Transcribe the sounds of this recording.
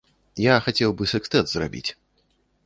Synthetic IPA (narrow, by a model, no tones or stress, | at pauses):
jaxat͡sʲɛwbɨsɨkt̪ɛt̪zra̰bʲḭt͡sʲ